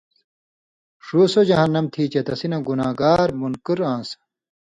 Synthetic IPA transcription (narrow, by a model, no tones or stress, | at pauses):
ʂuːsod͡ʑɐɦɐnːɐmt̪ʰiːt͡ɕɐt̪ɐsinɐɡunaːɡaːɾmunkuɾãːnsɐ̥